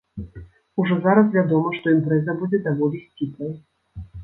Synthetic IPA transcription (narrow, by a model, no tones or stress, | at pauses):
uʐɔzaɾɐs̬vʲad̪ɔmɐʂt̪ɔimpɾɛzɐbud͡zʲɛd̪avɔlʲisʲt͡sʲipnɐj